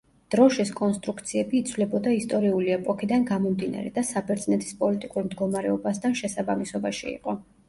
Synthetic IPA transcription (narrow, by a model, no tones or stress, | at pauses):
d̪̥ɾɔʃiskʼɔnst̪ʼɾukt̪sʰiɛbiːt̪sʰvlɛbɔd̪aist̪ʼɔɾiuliɛpʼɔkʰid̪anɡamɔmd̪ina̰ɾɛ̰d̪asabɛɾt̪sʼnɛt̪ʰi̥spʼɔlit̪ʼikʼuɾmd̪ɡɔmaɾɛɔbast̪ʰanʃɛsabamisɔbaʃiḭqʼɔ